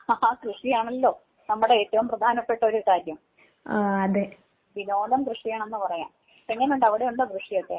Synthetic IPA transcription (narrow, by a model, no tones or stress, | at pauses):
aakrɨʂijaːɳɐlːo̞ː | nɐmːuɽe̞eːtːɐʋumprɐd̪ʱaːnɐpːe̞ʈːɐo̞ɾukaːɾjɐm | ɐðe | ʋino̞ːlɐmkrɨʂijaːɳenːɨpɐrɐja̰ːm | peŋːɐnuɳɖɐʋiɽeuɳɖokrɨʂijot̪ːe